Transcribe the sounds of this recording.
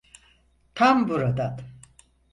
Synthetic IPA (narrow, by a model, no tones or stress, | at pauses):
t̪ʰambuɾad̪at̪